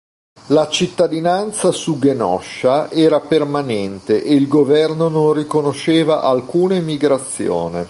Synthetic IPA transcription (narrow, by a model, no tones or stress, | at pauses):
lat͡ʃit̪ːad̪inant̪sasuɡenɔ̰ʃaɛːɾapermanɛnt̪eʔeilɡovɛrnononrikonoʃeːvaʔalkuːnaimiɡɾat̪sːjo̰ːnḛ